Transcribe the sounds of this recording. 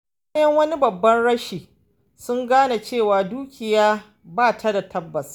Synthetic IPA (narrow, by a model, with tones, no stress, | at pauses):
a˦jɐ˦ŋwɐ˦ni˦bɐ˨bːɐ˦nɽɐ˦ʃiː˨ | sʊ˦ŋɡaː˦na˨t͡ʃeː˦˨waː˨duː˦kʲɪ˨jaː˦ | baː˦˨tʰa˦da˨tʰɐ˦bːɐ˨s